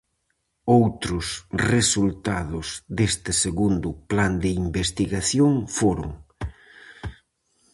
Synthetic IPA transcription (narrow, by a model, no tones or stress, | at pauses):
owt̪ɾʊsresult̪aðʊzd̪est̪ɪseɣund̪ʊpland̪ɪimbest̪iɣaθjoŋfoɾʊ̰ŋ